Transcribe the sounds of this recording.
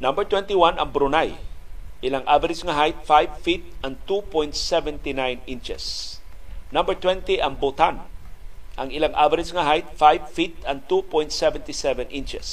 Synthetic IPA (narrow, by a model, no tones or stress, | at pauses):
nambəɹt̪wɛnt̪iwãnɐŋbɾʊnajʔɪlaŋʔavɛɾɪsŋaɦajt̪̚fajvfit̪̚ɐ̃n̚t̪upɔjnt̪̚sɛvɛnt̪inajnĩnt͡ʃɛ̰s | nãmbəɹt̪wɛ̃nt̪iʔɐŋbot̪an | ʔɐŋɪlaŋʔavɛɾɪsŋaɦajt̪̚fajv̥fit̪ɐ̃nt̪upɔj̃nt̪sɛvɛ̃nt̪isɛvɛnʔĩnt͡ʃɛs